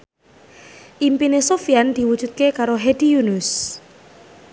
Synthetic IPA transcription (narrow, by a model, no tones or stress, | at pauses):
ʔimpinesofiand̪̥i̤wud̥ʒ̥ṳt̪̚kekaɾoɦed̪̥ijunʊs